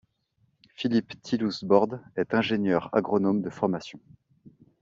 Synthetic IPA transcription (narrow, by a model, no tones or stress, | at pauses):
filipt̪ʰilusbɔʁd̪ɛt̪ɛ̃ʒenjœʁa̰ɡʁɔnomd̪əfɔʁmasjɔ̃